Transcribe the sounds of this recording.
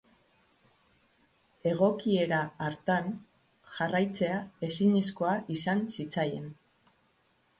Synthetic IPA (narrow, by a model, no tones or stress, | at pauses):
e̞ɣ̞o̞kie̞ɾaːɾt̪an | ʝarajt͡se̞ae̞siɲisko̞aʔisansit͡saje̞̰n